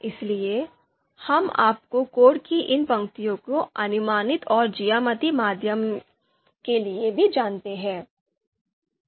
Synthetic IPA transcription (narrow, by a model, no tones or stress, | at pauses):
ɪslie | hɐma̰ːp̚kokoːɽkiʔɪnpɐ̃ŋkt̪ijõkoɐnʊmaːnɪt̪ɔːɾd͡ʒijaːmət̪imaːd̪ʱjəm | keliebʱid͡ʒaːnt̪eɦɛ̃ː